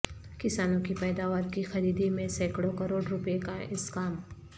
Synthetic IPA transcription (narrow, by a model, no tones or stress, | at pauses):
kɪsaːnõkipɛːd̪aːʋaːɾkixɐɾiːd̪imẽsɛːkɽokɐɾoːɽɾʊpekaɪskaːm